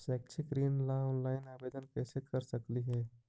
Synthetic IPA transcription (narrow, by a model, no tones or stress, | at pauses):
sɛːk̚t͡ʃʰɪɡɾiːnlaɔːnlaːɪnaːbeːd̪ənkɛːsekɐɾsəkliɦɛː